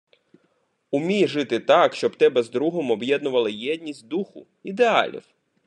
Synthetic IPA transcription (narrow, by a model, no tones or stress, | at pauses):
ʊmʲijʒɪt̪ɪt̪ɑkʃt͡ʃɔbt̪ɛbɛzd̪ɾuɦɔmɔbjɛd̪nʊʋɐlˠɪjɛd̪ʲnʲisʲtʲd̪uxʊ | id̪eɑ̰lʲḭw